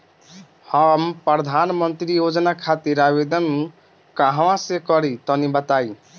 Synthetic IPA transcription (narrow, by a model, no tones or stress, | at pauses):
həmpɾəd̪ʱanmənt̪ɾijod͡ʒnakʰat̪iɾabed̪ən | kaɦwãsekʌɾit̪ɔnibət̪aj